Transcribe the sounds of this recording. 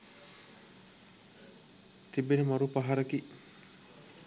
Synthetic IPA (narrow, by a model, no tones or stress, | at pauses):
t̪ibenemaɾupaɦaɾəki